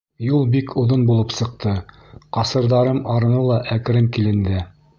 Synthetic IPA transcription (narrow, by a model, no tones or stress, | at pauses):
julˠbikʰŏðonbulˠɤpsɤ̆q̚t̪ɤ | qɑsɤ̆ɾðɑɾɤmɑɾɤ̆nɤlˠɑʔækɘ̆ɾɘŋkilɘ̆nd̪ɘ